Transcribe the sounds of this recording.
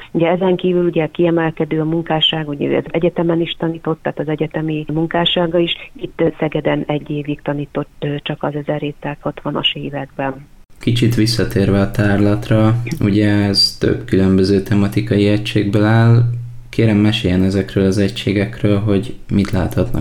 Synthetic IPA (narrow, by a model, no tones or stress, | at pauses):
uɟɛɛzɛŋkiːvyluɟɛkiɛmɛlkɛd̪øːɒmuŋkaːʃaːɡuɟɛø̰ɛ̰zɛɟɛt̪ɛmɛniʃt̪ɒniːt̪o̞t̪ːaːt̪ɒzɛɟɛt̪ɛmimuŋkaːʃaːɡɒiʃit̪ːsɛɡɛd̪ɛnɛɟːeːvikt̪ɒniːt̪o̞t̪t͡ʃɒkɒzɛzɛreːt̪ːɛt̪hɒt̪ʋɒnɒ̰ʃeːvɛɡ̚bɛnkit͡ʃit̪ʋisːɒt̪eːrvɛɒt̪aːrlɒt̪rɒuɟɛɛzt̪ø̰bkylø̞mbø̞zøːt̪ɛmɒt̪ikɒjiɛcʃeːɡbølaːl | keːɾɛmːɛʃeːjɛnɛzɛkrøːlɒzɛcʃeːɡɛkrøːlɦo̞ɟmit̪laːt̪hɒt̪nɒ̰